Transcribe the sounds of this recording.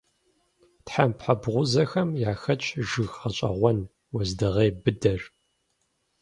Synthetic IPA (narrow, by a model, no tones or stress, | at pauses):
tħampħabʁʷʊzɐxɐmjaːxɐt͡ʃʼʒɨɣχɐɕʼɐ̰ʁʷɔn | wzdɨʁeːbɨdɐr